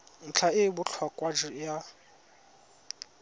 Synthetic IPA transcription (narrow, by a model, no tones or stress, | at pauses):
n̩t͡ɬʰaɪbʊt͡ɬʰwakʼwad͡ʒɪja